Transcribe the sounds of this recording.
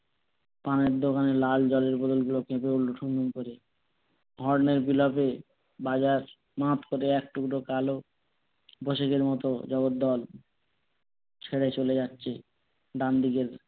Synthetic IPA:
paneɾd̪okaneɾlald͡ʑɔleɾbɔd̪olɡulokepeulːoʈʰuminkoɾe | ɦɔɾneɾbilape | bad͡ʑaɾ | mãt̪koɾeɛk̚ʈuɡulokalo | boʃekeɾmɔt̪od͡ʑɔɡot̪̚d̪ɔl | t͡ɕʰeɽet͡ɕoled͡ʑatːɕʰe | ɖand̪iɡeɾ

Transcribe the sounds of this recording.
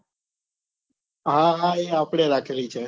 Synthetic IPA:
ɦãɦãːeːaːpɽ̃eɾaːkʰiɾəiːt͡ʃʰeː

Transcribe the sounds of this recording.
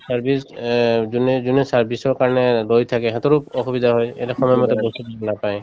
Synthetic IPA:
saɹbʱiszunɛzunɛsaɹbʱisɔɹkaɹɔnɛlojt̪ʰakɛxɛt̪ɔɹupɔxubid̪ʱaɦɔjḛlaxɔmɔjɛmɔt̪ɛbost̪itɔnapaj

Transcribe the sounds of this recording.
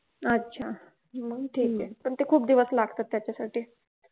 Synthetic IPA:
ətːɕʰa | məɡʈʰiːkɛpəɳt̪ekʰuːpd̪iʋəslaɡʱt̪at̪ːjat͡ɕjasaʈʰiː

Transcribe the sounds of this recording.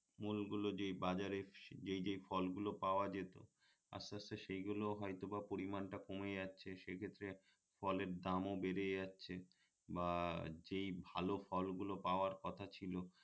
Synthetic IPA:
mulɡulod͡ʑejbad͡ʑaɾed͡ʑejd͡ʑejfɔlɡulopaoad͡ʑet̪o̰ | a̰saseʃejɡuloɦɔjt̪obapoɾimanʈakomed͡ʑatːɕʰeʃekʰet̪ːɾe | fɔleɾd̪amobeɾejatːɕʰe | bad͡ʑejbʱalofɔlɡulopaoaɾkɔt̪ʰat͡ɕʰilo

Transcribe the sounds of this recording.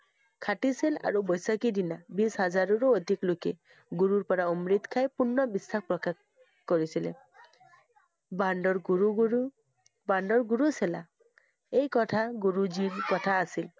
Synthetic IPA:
kʰatisila̰ɹubɔjsakidinabishazaɹuɹɔod̪ʱiklokɛ̰ | ɡuɹuɹpɔɹaɔmɹit̪kʰajpunːɔbisːak̚pɹɔkak | koɹisilɛ̰ | bandɔɹɡuɹu | bandɔɹɡuɹusɛla | ejkɔtʰaɡuɹud͡ʒiɹkɔtʰaːsil

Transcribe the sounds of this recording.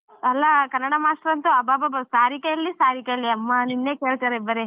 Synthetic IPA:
ɐlːakɐnːɐɽamaːsʈɾɐnt̪uɐbaːbabɐsaːɾikejɐlːisaːɾikejɐlːiɐmːaninːekeːɭt̪ɐɾebɐɾe

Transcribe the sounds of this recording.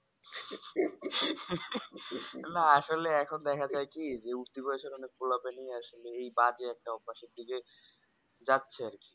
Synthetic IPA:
naaʃoleɛkʰond̪ɛkʰad͡ʑaekid͡ʑeuɾt̪ibɔeʃoɾɔnek̚polapenijeaʃoleejbad͡ʑeɛk̚ʈaɔbaʃeɾd̪iɡe | d͡ʑatːɕʰeaɾki̥

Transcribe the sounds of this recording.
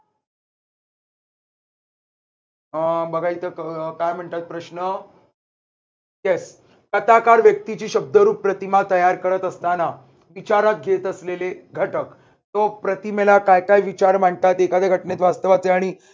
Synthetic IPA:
bəɡʱait̪əkajm̤əɳt̪at̪̚pɾəɕnə | jes | kət̪akaɾʋjək̚t̪it͡ɕiːɕəb̚d̪əɾuːpːɾət̪imat̪əjaɾkəɾət̪əst̪ana | ʋit͡ɕaɾat̪̚ɡʱet̪əsleleɡʱəʈək | t̪opɾət̪imelakajkajʋit͡ɕaɾm̤əɳt̪at̪ekad̪ʱeɡʱəʈnet̪ʋast̪əʋat͡seaɽ̃i

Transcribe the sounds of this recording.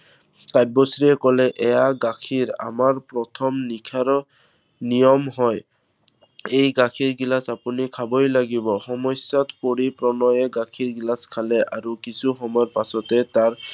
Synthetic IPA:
tajbɔsɹiɛkɔlɛʔɛjaɡakʰiɹa̰maɹpɹɔtʰɔmnikʰaɾɔ | nijɔmɦɔj | ejɡakʰiɹɡilasapunikʰabɔjlaɡibɔxɔmɔsatkoɹipɹɔnɔjɛɡakʰiɹɡilaskʰalɛʔaɹukisuxɔmɔɹpasɔtɛtaɹ

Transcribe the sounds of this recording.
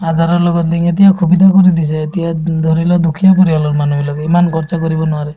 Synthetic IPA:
ad̪ʱaɾɔɾlɔɡɔnd̪iŋet̪iakʰubid̪ʱakɔɾid̪isɛet̪iad̪ʱɔɾilɔd̪ukʰijapɔɾialɔɾmanubilɔɡeemankɔɾt͡ʃakɔɾibɔnuaɾe

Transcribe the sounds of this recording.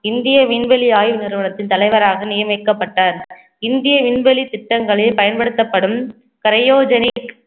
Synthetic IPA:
ɪnd̪ɪjɐʋɪɳʋɐliaːjʋɯnɪɾɯʋɐɳɐt̪ːɪnt̪ɐlɐɪʋɐɾaːɣɐnɪjɐmɐɪkːɐpːɐʈːaːɾ | ɪnd̪ɪjɐʋɪɳbɛlit̪ːɪʈːɐŋɡɐɭɪlpɐjɐnpɐɽɯt̪ːɐpːɐɽɯm | kɐɾɐjoːd͡ʒɐnɪk

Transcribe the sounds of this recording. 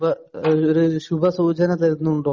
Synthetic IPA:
bɐ | oɾuɕubʱɐsuːt͡ɕɐnɐt̪ɐɾinːuuɳɖoː

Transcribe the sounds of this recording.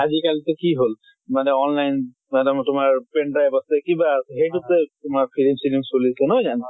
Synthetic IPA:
azikalitɛkiɦol | manɛɔnlajn | mɛdamtʊmaɹpɛndɹajpasɛkibaːsɛɦejtutɛtʊmakpʰilimsilimsolisɛnɔjzana

